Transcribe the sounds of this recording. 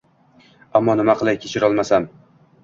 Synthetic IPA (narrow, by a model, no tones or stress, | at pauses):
amːɒnɪmaqʰɨlˠajkʲʰet͡ʃʰɪɾɒlˠmasam